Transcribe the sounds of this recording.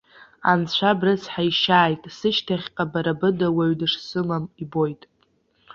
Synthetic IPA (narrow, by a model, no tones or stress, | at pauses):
a̰nt͡ɕʷʰabrɨsħajʃaːjtʼsɨʃtʰaχʲqʼabaɾabɨdawaɥdɨʂsɨlamibo̞jtʼ